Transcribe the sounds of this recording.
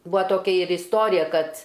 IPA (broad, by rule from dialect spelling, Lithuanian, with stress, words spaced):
ˈbʊɐ toːˈkʲɛ ɪr ɪsˈtoːrʲɪjɛ ˈkɐt